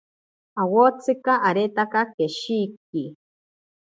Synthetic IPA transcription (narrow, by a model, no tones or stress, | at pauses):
awot͡sɨkaʔaːɾet̪akakeʃik̚i